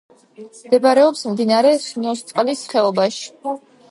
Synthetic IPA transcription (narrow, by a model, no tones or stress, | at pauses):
md̪ɛbaɾɛɔpsmd̪inaɾɛʃnɔst̪sʼqʼlisχɛɔbaʃi̥